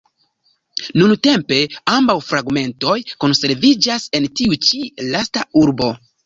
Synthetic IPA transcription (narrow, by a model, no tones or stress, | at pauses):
nunte̞mpe̞ambawfɾaɡme̞nto̞jko̞nse̞ɾvid͡ʒase̞ntiut͡ʃilastauɾbo̞